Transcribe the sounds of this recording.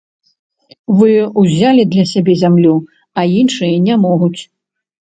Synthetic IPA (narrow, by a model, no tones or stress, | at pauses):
vɨuzʲalʲid̪lʲɐsʲabʲɛzʲamlʲu | ɐinʂɨjɐnʲamɔɣut͡sʲ